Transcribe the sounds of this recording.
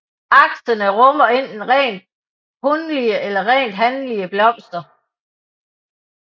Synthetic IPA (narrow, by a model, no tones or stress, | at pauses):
ʔɑ̈ɡ̥sɐnəʁɔ̽mɐe̝n̰d̥enʁɛ̰ːnd̥̚ | hɔnliəʔelɐʁɛ̰ːnd̥ɦænliəb̥lɒ̽m̰sd̥ɐ